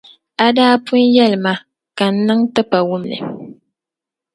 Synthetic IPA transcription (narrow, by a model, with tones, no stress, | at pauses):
a˦daː˦pʊ˦njɛ˦lma˦ | ka˨n̩˦nɨ˦ŋtɨ˦pa˨wʊ˦mnɨ̰˨